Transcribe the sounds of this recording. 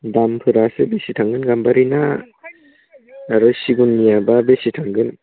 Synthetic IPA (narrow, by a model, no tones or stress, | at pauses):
dampʰɯɾasɯbesitʰaŋɡɯnɡambaɾina | ɾusiɡunːijababesitʰaŋɡɯn